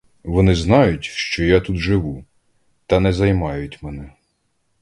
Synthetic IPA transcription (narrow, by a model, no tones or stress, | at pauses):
ʋɔnɪznɑjʊtʲʃt͡ʃɔjat̪ut̪ʒɪʋu | t̪ɐnɛzɐjmɑjʊtʲmɛnɛ